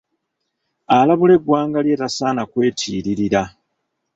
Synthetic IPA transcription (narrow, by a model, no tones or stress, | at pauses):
alaβule̞ɡwaːŋɡalje̞ːtasaːnakwe̞ːtʰiːɾiɾiɾa